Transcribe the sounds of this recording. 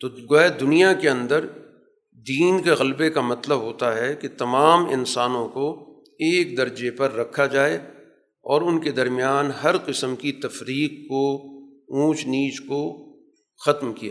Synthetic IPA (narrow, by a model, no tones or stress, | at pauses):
t̪oːɡoɛd̪ʊnijakeɐ̃nd̪əɾ | d̪iːnkeɣɐlbekamɐt̪ləbɦoːt̪aɦɛket̪ɐmaːmɪ̰nsaːnõko | eːk̚d̪ɐɾd͡ʒepɐɾːɐkʰːad͡ʒaːe | ɔːɾʊnked̪ɐɾmjaːnɦɐɾqɪsəmkit̪ɐfɾiːqːo | ũːt͡ʃniːt͡ʃko | xɐt̪mkija